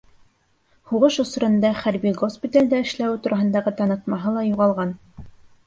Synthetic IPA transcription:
huʁɤʃŏsɾɤ̆nd̪ɑχæɾbiɡospʲit̪alʲd̪æɘ̆ʃlæwt̪uɾʔɑɦɤ̆nd̪ɑʁɤt̪ɑnɤ̆t̪mɑɦɤlˠɑjuʁɑlˠʁɑn

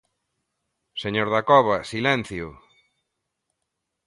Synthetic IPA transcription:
seɲoɾðakɔβasilɛ̃n̟θjʊ

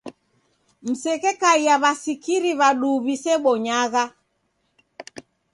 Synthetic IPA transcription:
m̩sɛkɛkaiaβasikiɾiβaɗuβisɛɓɔɲaɣa

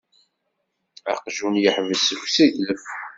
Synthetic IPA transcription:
a̰qʒunjəħvəsəfsidləf

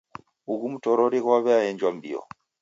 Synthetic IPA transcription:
uɣumutɔɾɔɾiɣwaβɛajɛɲd͡ʒwambḭɔ̰

